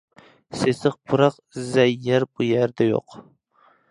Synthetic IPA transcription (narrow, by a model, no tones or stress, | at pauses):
sesɨq̚bʰuɾɑq | zæjːæɾbujæɾd̪ɛjo̰q